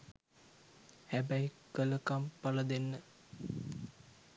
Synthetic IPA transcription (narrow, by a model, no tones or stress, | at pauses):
hæbæj | kələkampaləd̪enːə